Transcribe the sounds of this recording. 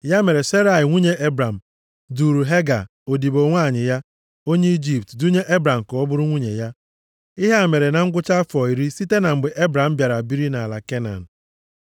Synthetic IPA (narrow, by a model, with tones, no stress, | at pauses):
ja˦me˨ɾe˨se˦ɾa˨ɪ˨ŋʷi˦ɲe˦ʔe˦bɾa˨m̩˨ | du˨ɾu˨ɦe˦ɡa̰˨ | o˨di˨bo˨ŋʷaː˦˨ɲɪ˨ja˦ | o˦ɲe˦i˦d͡ʒi˦p̚tdu˦ɲe˦ʔe˦bɾa˨m̩˨kɔ˨ɔ˦bʊ˦ɾʊ˦ŋʷi˦ɲe˨ja˦ | i˦ɦe˦a˨me˨ɾe˨na˨ŋ̩˦ɡʷʊ˦t͡ʃa˦fɔ˨i˨ɾi˦si˦te˦na˨m̩˨ɡ͡bɪ˨ʔe˦bɾa˨m̩˦bja˨ɾa˨bi˦ɾi˦na˨la˨ke˦na̰˨n̩˨